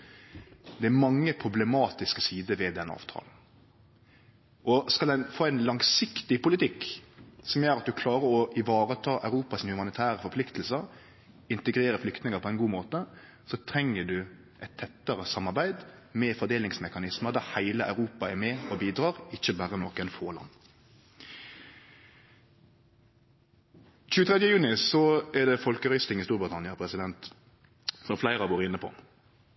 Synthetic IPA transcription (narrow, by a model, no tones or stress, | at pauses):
d̪ɛæɾmɑŋːəpʰɾʊblɛmɑːt̪ɪskəsiːd̪əʋɛd̪ɛnːəɑ̰ːʋt̪ʰɑ̰ːln̩ | ʔɔskɑlɛnfoːæɪnlɑŋsɪkt̪ɪpʊlɪt̪ɪkːsɔmjøːɾɑt̪̚d̪ʉkʰlɑːɾəɾɔʔɪʋɑːɾət̪ʰɑːʔɑ̰ʉɾuːpɑsɪnhʉmɑnɪt̪ʰæːʁəfɔɾplɪkt̪l̩sə | ɪnt̪ɛɡɾeːɾəflʏkt̪nɪŋəpʰɔɛɪnɡuːmoːt̪ə | sɔt̪ʰɾɛŋːəd̪ʉ | ʔɛt̪ʰːɛt̪ːəʁəsɑmːɑʁbæɪd̪mɛfɔd̪eːlɪŋsmɛkɑnɪsməʁd̪æːhæɪləʔɑ̰ʉɾuːpɑæmɛɔbiːd̪ɾɑːʁɪçəbæːʁənɔkɛnfoːlɑ̰n | c͡çʉːət̪ʰʁɛd̪jəjʉːnɪsɔɛd̪ɛfɔlkəɾœʏst̪ɪŋɪst̪uːɾbʁɪt̪ʰɑnɪɑpʰɾɛsɪd̪ɛnt̪ | sɔmflæɪʁɑʋoːɾɪnːəpʰɔ̰